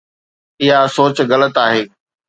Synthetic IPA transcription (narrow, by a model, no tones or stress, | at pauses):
ɪɦasoːt͡ɕɣɐlət̪aːɦeː